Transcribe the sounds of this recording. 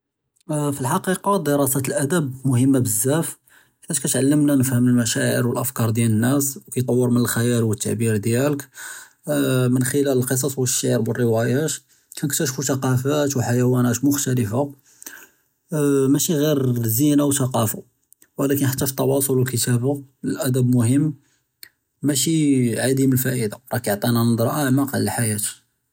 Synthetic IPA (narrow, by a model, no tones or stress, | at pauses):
filħɑqiqɑd̪əɾˤɑsæt̪əlʔæd̪æbmʊhəmːabəzːæf | fæʃkæt̪ʕalːəmnanəfhəməlmæʃæʕə̰ɾwəlʔəfkɑɾˤd̪jænənːæswkæjt̪ˤɑwːəɾmənəlxæjælwət̪ːaʕbiɾd̪jælək | mənxəlæləlqəs̬ˤɑsˤwəʃːiʕɾbwərːəwæjæt̪ | kænək̚t̪ːæʃfuθɑqɑfæt̪wħajæwænæt̪mʊxt̪æləfa | mæʃiɣiɾzinawθɑqɑfa | wlækənħat̪ːæfit̪ˤːɑwɑsˤolwəlkət̪æbaləlʔæd̪æbmʊhəmː | æʃiʕad̪iməlfæʔəd̪aɾˤɑkoʕt̪ˤinænəd̪ˤɾˤɑʔæʕmɑqləħajæt̪